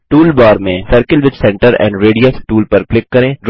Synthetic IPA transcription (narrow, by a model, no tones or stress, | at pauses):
ʈuːlbɔːɾmẽsəɾkəlʋɪd̪sɛ̃ɳʈəɾɛ̰̃ːɳɖɾeːɖiəsʈuːlpɐɾklɪkːɐɾẽː